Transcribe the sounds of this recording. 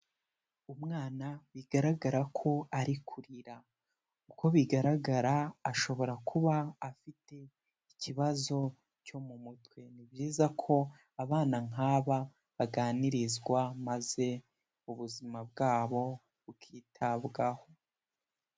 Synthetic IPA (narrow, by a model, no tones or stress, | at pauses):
umŋaːnaβiɡaɾaɡaɾakʰo̞aɾikʰuɾiɾa | uko̞βiɡaɾaɡaɾaːʃo̞βo̞ɾakʰuβaːfite̞ | iciβazo̞ | co̞mumutwe̞nibɟiːzakʰo̞ | aβaːnaŋaːβa | βaɡaːniɾizɡwamaze̞ | uβuzimab̚ɡaːβo̞ | βukʰiːtʰaβɡaho̞